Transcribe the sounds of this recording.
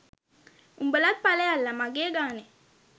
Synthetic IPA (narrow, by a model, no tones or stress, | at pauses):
umbəlat̚palɛjalːamaɡ̬eɡanɛ